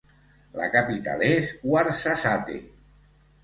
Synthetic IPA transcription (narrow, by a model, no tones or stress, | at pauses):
la̰kapit̪a̰leswaɾsasat̪ḛ